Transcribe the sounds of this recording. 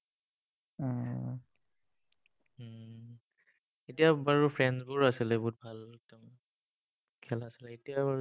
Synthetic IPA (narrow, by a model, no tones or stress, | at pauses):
etiabaɹupʰɹɛnzbʊɹasilɛbɔɦut̚bʱaltɛm | kʰɛlasilɛetijabaɹ